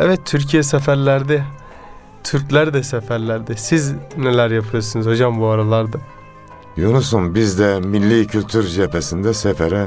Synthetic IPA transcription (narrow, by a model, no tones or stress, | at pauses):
ɛvɛt̪ʰːyɾcʰijɛsɛfæɾlʲæɾd̪ɛ | t̪ʰyɾclʲæɾd̪ɛsɛfæɾlʲæɾd̪ɛsiznelʲæɾjapʰɯɯɾsɯnɯzho̞d͡ʒambuaɾalˠaɾd̪ɯ | jonusunbizd̪ɛmilʲːiːcʰylʲt̪ʰyɾʒepʰesind̪ɛsɛfɛɾɛ